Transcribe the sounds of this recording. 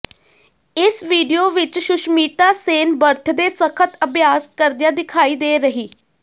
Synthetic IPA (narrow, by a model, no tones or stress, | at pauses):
ɪsʋiːɖijoːʋɪt͡ʃʃʊʃmiːt̪aːseːnbəɾt̪ʰd̪eːsəkʰət̪əbjaːskəɾd̪ɪjãːd̪ɪkʰaːiːd̪eːɾəɦiː